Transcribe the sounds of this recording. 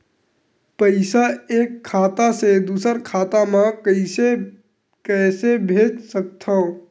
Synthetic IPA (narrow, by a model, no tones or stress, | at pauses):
pəɪsaeːkʰːaːt̪ased̪uːsəɾkʰaːt̪amãɪse | kɛːsebʱeːd͡ʒsək̚t̪ʰa